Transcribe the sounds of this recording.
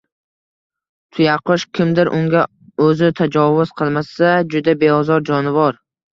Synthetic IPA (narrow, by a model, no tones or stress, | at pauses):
t̪ʰʊjaqʰʊʃkʲʰɪmd̪ɪɾʔʊ̰ŋɡʲa | ɵzɪt̪ʰad͡ʒɒvʊz̥qʰɨlˠmasad͡ʒʊd̪abe̞ɒzɒɾd͡ʒɒnɪvɒɾ